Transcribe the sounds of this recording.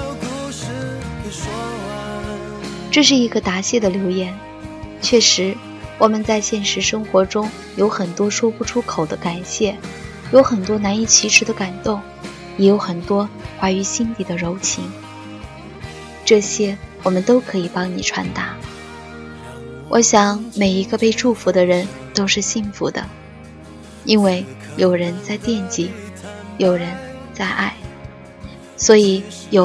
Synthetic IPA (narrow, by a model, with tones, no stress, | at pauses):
ʈ͡ʂɤ˥˧ʂ̬ɻ̩˥˩i˧˥ɡə˧t̪a˧˥ɕjɛ˥˩d̪ə˩ljo˧˥ʊjɛ˧˥n | t͡ɕʰɥɛ˥˩ʂɻ̩˧˥ | wɔ˨˩mə˦nt͡sa˥˧ɪɕjɛ˥˩nʂɻ̩˧˥ʂɤ˥ŋxwɔ˧˥ʈ͡ʂʊ˥ŋ | jo˧˥ʊxə˨˩nt̪wɔ˥ʂwɔ˥pu˥˩ʈ͡ʂʰu˥kʰo˨˩ʊd̪ə˦ka˨˩nɕjɛ˥˩ | jo˧˥ʊxə˨˩nt̪wɔ˥na˧˥ni˥˩t͡ɕʰi˧˥ʈ͡ʂʰɻ̩˧˥d̪ə˧ka˨˩nt̪o˥˩ŋ | jɛ˧˥jo˧˥ʊxə˨˩nt̪wɔ˥kwa˥y˧˥ɕi˥nt̪i˨˩d̪ə˦ɻo˧˥ʊt͡ɕʰi˧˥ŋ | ʈ͡ʂɤ˥˩ɕjɛ˥wɔ˨˩mə˦nt̪o˥ʊkʰɤ˧˥i˨˩pɑ˥ŋni˨˩ʈ͡ʂʰwa̰˧˥nt̪a˧˥ | wʔɔ̰˧˥ɕjɑ˨˥˦ŋme˨˩ɪi˧˥ɡə˧pe˥˧ɪʈ͡ʂu˥˩fu˧˥d̪ə˧ɻə˧˥nt̪o˥ʊʂɻ̩˥˧ɕi˥˩ŋfu˧˥d̪ə̰˧ | i˥nwe˥˩ɪjo˨˩ʊɻə˧˥nt͡sa˥˧ɪt̪jɛ˥˩nt͡ɕi˧˥jo˨˩ʊɻə˧˥nt͡sa˥˧ɪʔa˥˩ɪ | swɔ˧˥i˨˩˦ | jo˨